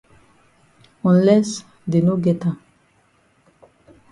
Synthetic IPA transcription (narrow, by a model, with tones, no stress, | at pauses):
ɔ̃˨nlɛs | de˨no˦ɡɛ˦tã˨